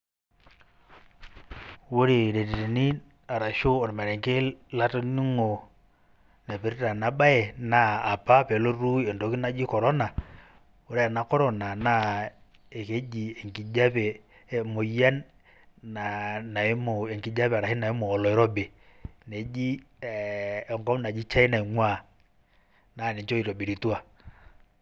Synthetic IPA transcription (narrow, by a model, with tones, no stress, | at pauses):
wo˦ɾe˨ɾe˨te˨te˨ni˦ | a˨ɾa˨ʃo˦o˨ɾmɛ˨ɾɛ˨ŋke˦la˦to˦nu˦ŋo˨ | ne˨pi˨ɾta˨na˨ba˦ɛ˨naː˦˨pa˦pe˨lo˦ɾu˦e˨ndo˨˦ki˦na˦d͡ʒi˦kɔ˨ɾɔ˦na˨ | o˦ɾe˦a˨na˨˦kɔ˦ɾɔ˦na˨na˦ | e˨ke˦d͡ʒi˨e˨ŋki˨d͡ʒa˦βɛ˨ | mo˨ja˦n | na˨na˨e˦mo˨e˨ŋki˨˦d͡ʒa˦βɛ˨ɾa˨hi˦na˨e˦mo˨ɔ˨lɔ˨ɛ˦ɾɔ˦be˨ | ne˨˦d͡ʒi˦ | ɛ˨ŋɡɔ˦mna˨d͡ʒi˦t͡ʃa˦i˦na˨i˨ŋwa˦˨ | na˨ne˨t͡ʃo˦i˨ɾɔ˨bi˨ɾi˨twa˨